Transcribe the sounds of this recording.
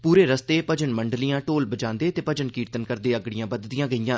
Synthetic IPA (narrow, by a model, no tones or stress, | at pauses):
puːɾeːɾəst̪eːpəd͡ʒənməɳɖlijãːʈoːlbəd͡ʒãːnd̪eːt̪eːpəd͡ʒənkiːɾt̪ənkəɾd̪eːəɡɽɪjãːbəd̪d̪ɪjãːɡəijãː